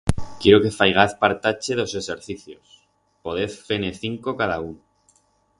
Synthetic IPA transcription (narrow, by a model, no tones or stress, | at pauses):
kjeɾoke̞fajɣ̞aθpaɾt̪at͡ʃe̞ðo̞se̞seɾθiθjo̞s | po̞ðeθfeneθiŋko̞kaðaun